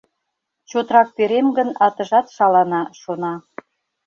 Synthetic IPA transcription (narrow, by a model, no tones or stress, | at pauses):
t͡ɕot̪ɾɑk̚p̪eɾemɡə̆nɑt̪ə̆ʒɑt̪ʃɑlɑnɑʃonɑ